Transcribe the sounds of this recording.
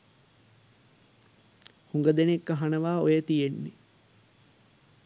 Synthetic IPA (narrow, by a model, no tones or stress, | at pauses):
huŋɡəd̪enekːaɦanəʋaːojət̪ijenːe